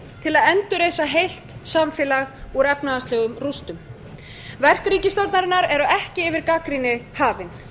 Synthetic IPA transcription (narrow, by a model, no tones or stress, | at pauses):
t̪ʰɪlaðɛnt̪ʏɾejsaɦejl̥t̪samfɛːlaɣɔɾɛpnaast̪lɛːɣʏmrust̪ʏm | vɛr̥kɾiːcɪst̪owt̪naɾɪnːaɾɛɾɔɛhcɪːvɪɾkaːkɾinɪhaːvɪn